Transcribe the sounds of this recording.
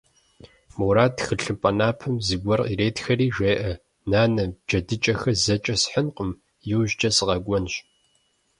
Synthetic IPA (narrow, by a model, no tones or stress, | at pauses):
muwɾaːtxɨɬɨpʼɐnaːpʰɨmzɨɡʷɔrqiɾeːtxɐriːʒʷeːʔɐ | naːnɐb̚d͡ʒɐdɨt͡ʃʼɐxɐzɐt͡ʃʼɐsħənqʼəm | jɛwʒt͡ʃʼɐsɨʁɐɡʷʼɔnɕ